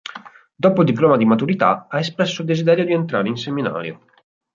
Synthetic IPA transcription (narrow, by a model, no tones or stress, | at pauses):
d̪oːpold̪iplɔːmad̪imat̪uɾit̪a̰aespɾɛsːold̪ezid̪ɛːɾjod̪ient̪ɾaːɾeinsemina̰ːɾja̰